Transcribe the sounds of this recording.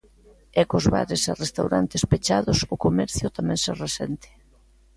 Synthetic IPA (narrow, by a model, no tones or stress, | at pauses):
ɛkozβa̰ɾɪsarest̪awɾa̰nt̪espet͡ʃaðʊsʊkomɛɾθjʊt̪amɛ̃ŋsɛresɛnt̪ɪ̥